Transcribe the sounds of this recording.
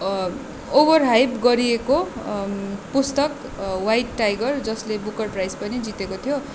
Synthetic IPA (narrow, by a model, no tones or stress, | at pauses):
obʌrɦajbɡʌɾieko | pust̪ʌk | wajʈːajɡʌrd͡zʌslebukʌrprajspʌnid͡zit̪ekot̪ʰijo